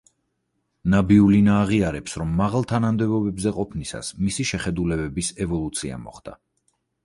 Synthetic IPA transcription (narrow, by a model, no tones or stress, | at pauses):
nabiulinaːʁiaɾɛpsɾɔmːaʁalˠt̪ʰanamd̪ɛbɔbɛbzɛqʼɔpʰnisa̰smisiʃɛχɛd̪ulɛbɛbisɛvɔlˠut̪sʰia̰mɔ̰χd̪̥a̰